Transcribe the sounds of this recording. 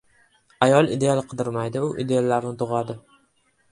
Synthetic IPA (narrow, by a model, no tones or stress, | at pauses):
ajɒlˠɪd̪ealqʰɨd̪ɪɾmajd̪ɪʊʔiɪ̰d̪e̞alaɾnɪt̪ʰʊʁad̪ɪ